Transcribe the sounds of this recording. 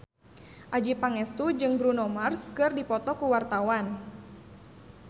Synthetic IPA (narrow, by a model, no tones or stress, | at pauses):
ʔad͡ʒipaŋɛst̪ud͡ʒɨŋbɾunɔmarskɨrdipɔt̪ɔkuwart̪awan